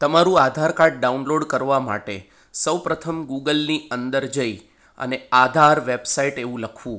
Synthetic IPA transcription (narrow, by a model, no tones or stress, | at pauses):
t̪əmaɾũad̪ʱaɾkaɾʈ̚ɖaunloɖkəɾʋama̰ʈe | səwpɾət̪ʰəmɡuɡəlniənd̪əɾd͡ʒəi | ə̰nead̪ʱaɾʋebsaiʈeʋũləkʰʋũ